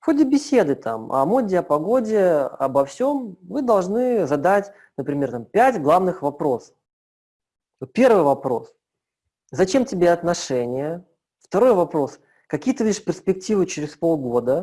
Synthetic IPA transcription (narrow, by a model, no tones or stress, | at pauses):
fxodʲɪbʲɪsʲe̞d̪ɨt̪ʰa̰mɐ̰modʲɪɐpɐɡo̞dʲɪɐ̰bɐfsʲo̞mvɨd̪ɐlˠʐnɨzɐd̪atʲ | nəpɾʲɪmʲe̞rt̪ampʲætʲɡlˠavnɨxvɐpɾo̞s | ot̪̚pʲe̞rvɨjvɐpɾo̞s | zɐt͡ɕe̞mtʲɪbʲeɐt̪nɐʂɛnʲɪjə | ft̪ɐɾo̞jvɐpɾo̞s | kɐkʲijət̪əvʲidʲɪʂpʲɪrspʲɪk̚tʲivɨt͡ɕɪɾʲɪspo̞lˠɡo̞d̪ə